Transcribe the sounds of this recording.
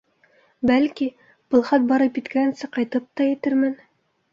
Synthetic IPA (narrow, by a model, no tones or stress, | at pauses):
bælki | b̥ɤ̆lˠχɑt̪̚bɑɾɤpjit̪kɘænsɘqɑjt̪ɤp̚t̪ɑjɘ̆t̪ɘɾmæn